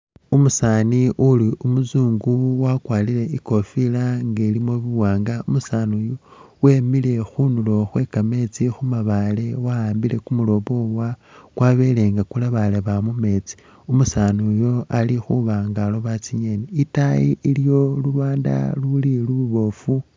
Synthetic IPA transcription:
umusaniʔuliumuzuːŋɡuwakwaːlile̞iko̞filaŋɡelimoβiwaːŋɡaumusanujo | we̞mile̞xunulo̞xwe̞kame̞t͡sixumaβale̞waaːmbile̞kumulo̞βo̞wakwaβe̞le̞ŋɡakulaβaleβamume̞t͡si̥ | umusanujo̞alixuβaŋɡaloβat͡siɲe̞niitajiiljo̞lulaːnda̰luliluβuβo̞fu

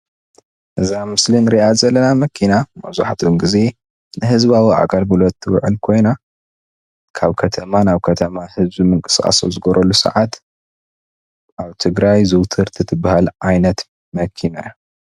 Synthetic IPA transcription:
ʔɨzamɨslinɾiʔazɐlːɐnamɐkʰinamɐ̰βzṵħat̪ʰnɡɨze̞ | nɨɦɨzβawiʔa̰ɡalbɨlot̪ːɨwɨʕɨlkʰo̞jna | kʰaβkʰɐt̪ʰɐmanaβkʰɐt̪ʰɐmahɨzbimɨŋkʼɨ̥skʼa̰so̰zɨɡɐɾʔɐlusɐ̰ʕat̪ | ʔaβt̪ʰɨɡɾajzɨwt̪ʰɨɾt̪ʰit̪ʰɨbahalʕajnɐt̪ | mɐkʰina̰ju

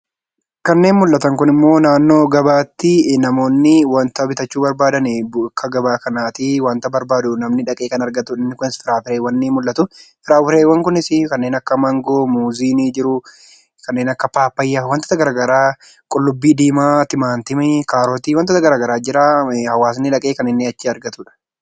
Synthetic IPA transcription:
kɐnːe̞ːnmʊlʔɐt̪ɐŋkʊnɪmːo̞ːnaːnːo̞ːɡɐbaːt̪ːɪnɐmo̞ːnːɪwɐnt̪ɐbɪt̪ɐt͡ʃːuːbɐɾbaːd̪ɐnɛbkʰːɐɡɐbaːkɐnaːt̪ɪwɐnt̪ɐbɐɾbaːd̪ʊnɐmnɪᶑɐkʼeːkɐnɐɾɡɐt̪ːʊɪmːɪkʊnɪsfɪɾaːfɪɾeːwːɐnːimʊlːʔːɐt̪ʊfɪɾaːfɪɾeːwːɐŋkʊnɪsɪkɐnːe̞ːnɐkːɐmɐŋɡoːmuːziːnid͡ʒɪɾʊ | kɐnːeːnɐkːɐpaːpːɐjːawɐnt̪ɐ̥t̪ɐɡɐɾaːɡɐɾaː | kʼʊlːʊbːiːd̪iːmaːt̪ɪmaːnt̪ɪmɛkaːɾoːt̪iwɐnt̪ːɔːt̪ɐɡɐɾaːɡɐɾaːd͡ʒɪɾaːhɐwaːs̬nːɪᶑɐkʼeːkɐnːɪnːeɐt͡ʃːɪɐɾɡɐt̪ʊːᶑɐ̥

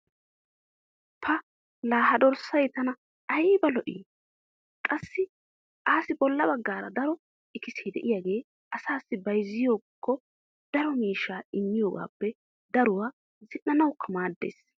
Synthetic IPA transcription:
pʰɐ | laːhɐd̪ɔɾsɐjt̪ɐnɐ | ɐjbɐlɔʔḭː | kʼɐsːɪ | ʔaːsɪbɔlːɐbɐɡːaːɾɐd̪ɐɾɔ | ɪkɪseːd̪ɛʔɪjaːɡe̞ː | ʔɐsaːsːɪbɐjzːɪjoːkʰːɔ | d̪̥ɐɾɔmiːʃːaːɪmːɪjoːɡa̰ːpːɛ | d̪ɐɾʊwaː | zɪnːɐnɐwkʰːɐmaːd̪ːḛːs

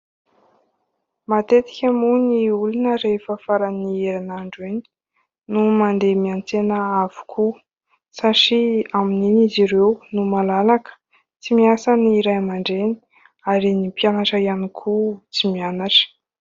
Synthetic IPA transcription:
mat̪et̪i̥kʲəmuniulunəɾefəfaɾanieɾinaɳɖ͡ʐeni̥ | numand̪emiant͡senəav̥u̥kʰu | saʈ͡ʂiamininiziɾewnumalalakə̥ | t͡simiasaniɾajmaɳɖ͡ʐeni̥ | aɾinipianaʈ͡ʂajanikʰut͡simianaʈ͡ʂə̥

